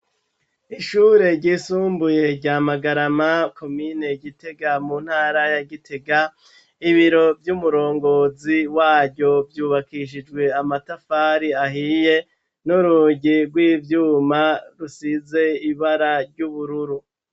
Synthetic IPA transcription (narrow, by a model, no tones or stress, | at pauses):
iʃuːɾe̞ɾɟiːsuːmbuje̞ɾɟaːmaɡaɾamako̞mine̞ɟite̞ɡamun̥haːɾajaɡitʰe̞ɡa | iβiɾo̞vjumuɾo̞ːŋɡo̞ziwaːɾɟo̞vjuːβakiʃ̬id͡ʒɡwe̞amatafaːɾiaɦije̞ | nuɾuːɟiɾɡwiːvjuːmaɾusize̞iβaɾaɾɟuβuɾuɾu